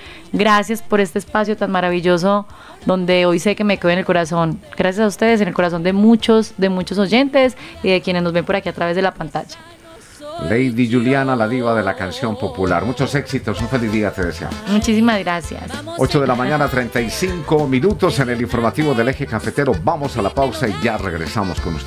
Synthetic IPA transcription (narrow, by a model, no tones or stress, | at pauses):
ɡɾasjaspo̞ɾe̞st̪eːspasjo̞t̪anmaɾaβiʝo̞s̬o | d̪o̞nd̪e̞ojse̞kemekeenelko̞ɾaso̞nɡ̥ɾasjasaust̪e̞ðes̬enelko̞ɾas̬o̞nd̪e̞mut͡ʃo̞zd̪e̞mut͡ʃo̞so̞ʝe̞nt̪e̞siðe̞kjene̞zno̞zβe̞mpoɾakiat̪ɾaβe̞zðelapant̪aʝḁ | lejðiʝuljanalaðiβaðe̞lakansjo̞mpo̞pula̰ɾmut͡ʃo̞se̞ksit̪o̞suɱfe̞lizðiat̪e̞ðesea̰mosmut͡ʃisimazɡɾasja̰s | o̞t͡ʃoðe̞lamãɲɲanat̪ɾent̪ajsiŋkomĩnut̪o̞seneliɱfo̞ɾmat̪iβo̞ðe̞le̞xe̞kafet̪e̞ɾo̞bamo̞salapawsaiʝareɣɾḛsamo̞skonṵst̪